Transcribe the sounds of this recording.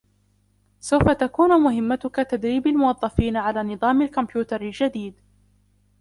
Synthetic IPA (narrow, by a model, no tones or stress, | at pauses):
sawfat̪akuːnmʊɦɪmːat̪ʊkat̪ad̪ɾiːbalmʊwɑðˤːɑfiːnaʕalaːnɨðˤɑːmalkʊmpjuːt̪ɑɾɪld͡ʒad̪iːd̪